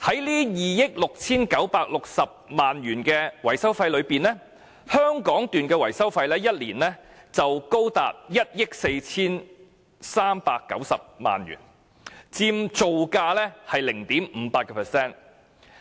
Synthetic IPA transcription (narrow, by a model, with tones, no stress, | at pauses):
hɐ˨˥jliː˥jiː˨˩jɪ˥k̚lʊ˨k̚t͡sʰiː˥nkɐ˨˥wpaː˧k̚lʊ˨k̚sɐ˨p̚maː˨nɥyː˨˩nkɛː˧wɐ˨˩jsɐ˥wfɐ˧jlɵ˨˧ɥpiː˨nɛː˥ | hœː˥ŋkɔː˨˥ŋt̪yː˨nkɛː˧wɐ˨˩jsɐ˥wfɐ˧jlɛː˥jɐ˥t̚liː˨˩nlɛː˥t͡sɐ˨wko˥wt̪a̰ː˨t̚jɐ˥t̚jɪ˥k̚se˧jt͡sʰiː˥n | saː˥mpaː˧kːɐ̰˨˥wsɐ̰˨p̚ma̰ː˨njy̰ː˨˩n | t͡siː˧mt͡so˨wkaː˧lɛː˥hɐ˨jlɪ˨˩ŋt̪iː˨˥mm̩ː˨˧˦paː˧t̚kɛː˧pʰɛ˨˩sɛː˥˩n